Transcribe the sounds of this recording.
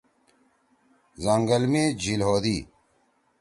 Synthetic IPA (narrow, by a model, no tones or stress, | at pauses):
zɐŋɡɐlmeːd͡ʑilɦoːd̪iː